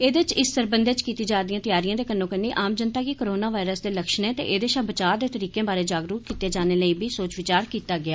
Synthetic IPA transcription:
eːd̪et͡ʃɪsːəɾbənd̪et͡ʃkiːt̪iːd͡ʒaːd̪ijãːt̪ɪjaːɾijãːd̪eːkənːõːkənːiːʔaːmd͡ʒənt̪aːkɪkoɾoːnaːʋaːɪɾəsd̪eːləkʃnẽːt̪ḛːʔeːd̪eːʃabət͡ʃaːd̪eːt̪əɾiːkẽːbaːɾeːd͡ʒaːɡɾuːt̪̚kiːt̪eːd͡ʒaːneːləiːbʱiːsoːt͡ʃʋɪt͡ʃaːɾkiːt̪aːɡɪaː

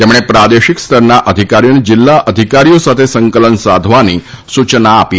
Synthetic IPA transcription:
t̪emɽ̃epɾad̪eɕikst̪ʰəɾnaʔəd̪ʱikaɾijonid͡ʑilːaʔəd̪ʱikaɾijosat̪ʰesəŋkələnsad̪ʱʋani | sut͡ʃnaːpiː

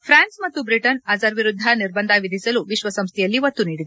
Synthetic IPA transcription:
pʰɾaːnsmɐt̪ːubɾiʈɐnɐzɐɾʋiɾud̪ʱːɐniɾbɐnd̪ʱɐʋid̪ʱisɐluʋiʃʋɐsɐmst̪ʰɛjɐlːiʋɐt̪ːuniːɽid̪e

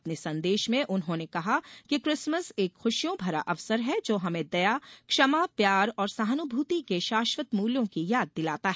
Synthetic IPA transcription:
ɐpnesɐ̃nd̪eːʃmẽʔʊnɦõnekɐɦakikɾɪsməseːkxʊʃjõbʱɐɾa̰ʔɐʋsəɾɦɛd͡ʒoːɦɐmẽd̪ɐjakʃɐmapjaːɾɔːɾsɐɦənʊbʱuːt̪ikeʃaːʃwət̪muːljõkijaːd̪̚ːɪlaːt̪aɦɛ

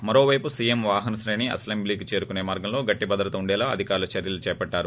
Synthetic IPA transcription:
mɐɾo̞ːʋɐjpusiːjemʋaːɦɐnɐsɾeːɳiɐ̰slɐmbliːkit͡ʃe̞ːɾukuneːmaːɾɡɐmlo̞ːɡɐʈːibɐd̪ɾɐt̪ɐuɳɖɛːlaːɐ̰d̪ʱikaːɾulɐt͡ʃɐɾjɐlut͡ʃɛːpɐɖːaːɾu

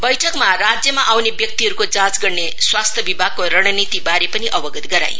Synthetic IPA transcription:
bʌjʈʰʌkmarad͡zjʌmaʔawnebjʌk̚t̪iɦʌɾukod͡zãt͡sɡʌrne | swast̪ʰjʌbibʱaɡ̚koɾʌɽ̃ʌnit̪ibaɾepʌniʔʌbʌɡʌt̪ɡʌɾa̰j

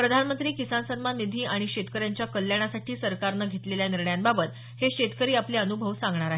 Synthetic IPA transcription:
pɾəd̪ʱanmənt̪ɾiːkisansənmanːid̪ʱiːaɽ̃iɕet̪kəɾjaɲt͡ɕjakəljaɽ̃asaʈʰiːsəɾkaɾnaɡʱet̪leljaniɾɳəjanbabət̪ | heɕet̪kəɾiːapleənubʱəʋsãŋɡɳaɾaɦe

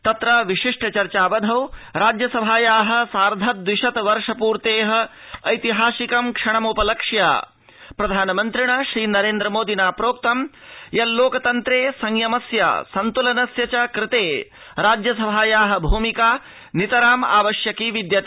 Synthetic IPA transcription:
t̪ɐt̪ɾɐʋiʂiʂʈɐt͡ʃɐɾt͡ʃaːʋɐd̪ʱɐwɾaːd͡ʒjɐsɐbʱaːjaːɦɐ̆saːɾd̪ʱɐt̪̚d̪ʋiʃɐt̪ʋɐɾʂɐpuːɾt̪eːɦɐ̆ | ɐjt̪iɦaːsikɐmkʂɐɳɐmupɐlɐkʂja̰ː | pɾɐd̪ʱaːnɐmɐnt̪ɾiɳɐʃɾiːnɐɾeːnd̪ɾɐmoːd̪ʱinaːpɾoːk̚t̪ɐmjɐlloːkɐt̪ɐnt̪ɾeːsɐŋjɐmɐsja̰ːsɐnt̪ulɐnɐsjɐt͡ʃɐkɾɪt̪eː | ɾaːd͡ʒjɐsɐbʱaːjaːɦɐ̆bʱuːmikaː | nit̪ɐɾaːma̰ːʋɐʃjɐkiːʋid̪jɐt̪ː

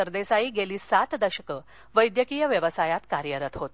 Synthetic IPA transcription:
əɾd̪esaiːɡeliːsat̪d̪əɕəkə | ʋəjd̪jəkijəʋjəʋəsajat̪kaɾjəɾət̪ɦot̪

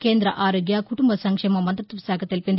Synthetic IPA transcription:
keːnd̪ɾɐʔaːɾoːɡjaːkʊʈʊmbɐsɐŋkʂeːmɐmɐnd̪ɾɐt̪ːɐʋɪsaːkɐt̪ːɪlpɪn

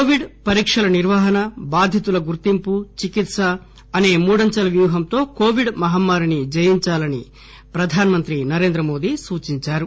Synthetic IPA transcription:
koːʋiɖpɐɾiːkʂɐlɐniɾʋɐɦɐnɐbaːd̪ʱjɐt̪ulɐɡuɾt̪imput͡ʃikit̪sɐː | ne̞ːmuːɽɐɲt͡ʃɐlɐʋjuːɦɐmt̪o̞ːko̞ːʋiɖmɐɦɐmːaːɾinid͡ʒɐjiɲt͡ʃaːlɐni | pɾɐd̪ʱaːnɐmɐnt̪ɾinɐɾe̞ːnd̪ɾɐmo̞ːd̪isuːt͡ʃiɲt͡ʃaːɾu

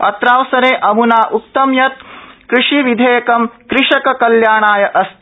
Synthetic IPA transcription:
ɐ̰t̪ɾaːʋsɐɾeːʔɐmunaːʔuk̚t̪ɐmjɐt̪̚kɾɪʂiʋid̪ʱeːjɐkɐmkɾɪʂɐkɐkɐljaːɳaːjɐʔɐst̪

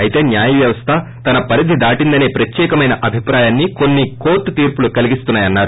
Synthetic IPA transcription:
ɐjit̪e̞ːnjaːjɐʋjɐʋɐst̪ʰɐ | t̪ɐnɐpɐɾid̪ʱid̪aːʈind̪ɐne̞ːpɾɐt̪jɛːkɐmɐjnɐʔɐbʱipɾaːjaːnːiko̞nːiko̞ːɾʈːut̪iːɾpulukɐliɡist̪unːaːjɐnːaːɾu

